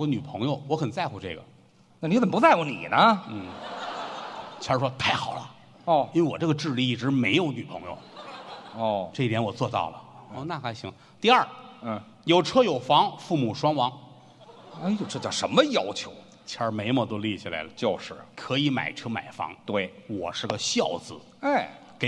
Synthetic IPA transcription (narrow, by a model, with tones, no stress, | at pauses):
ɔ˧˥ny˨˩pʰɤ˧˥ŋjo˧ʊwɔ˧˥xə˨˩nt͡sa˥˧ɪxu˧ʈ͡ʂɤ˥˩ɡə̰˩ | na˥˩ni˧˥ə˨˩pt͡sa˥˧ɪku˧˥˩nḭ˨˩nə˦n̩˥˩ | t͡ɕʰja˧˥ʂwɔ˥t̪ʰa˥˩ɪxɑ˨˩ʊlə̰˦ | ɔ˥˧˩i˥nwe˥˧ɪwɔ˨˩ʈ͡ʂɤ˥˩ɡə˧ʈ͡ʂɻ̩˥˧li˥˧i˥˩ʈ͡ʂɻ̩˧˥me˧˥ɪjo˧˥ʊny˨˩pʰɤ˧˥ŋjo̰˧ʊ | ɔ˥˩ʈ͡ʂɤ˥˩˧i˥t̪ʰjɛ˧˥nwɔ˨˩t͡swɔ˥˧t̪ɑ̰˥˩ʊlə˩ɔ˥˧˩na˥˩kʰa˥˩ɕi˧˥ŋ | t̪i˥˧ɐa˞˥˩˥ | jo˨˩ʊʈ͡ʂʰɤ˥jo˨˩ʊfɑ˧˥ŋfu˥˩mu˨˩ʂwɑ˥nwɑ˧˥ŋ˥ | jo˨˩ʊʈ͡ʂʰɤ˥t͡ɕjɑ˥˩ʂə˧˥nmə˧jɑ˥ʊt͡ɕʰjo˧˥ʊ | t͡ɕʰjɑ˧˥me˧˥ɪmə˥˧˩t̪̬o˥ʊli˥˩t͡ɕʰi˨˩la̰˧˥ɪlə˧˦t͡ɕjo˥˧ʊʂɻ̩˥˩kʰɤ˧˥i˧˥ma̰˨˩ɪʈ͡ʂʰɤ˥ma̰˨˩ɪfɑ̰˧˥ŋt̪we˥˩ɪwɔ̰˨˩ʂɻ̩˥˩ɡə˩ɕjɑ˥˧˩ʊd͡zɹ̩˧˩ | a˥˩ɪ | ke˨˩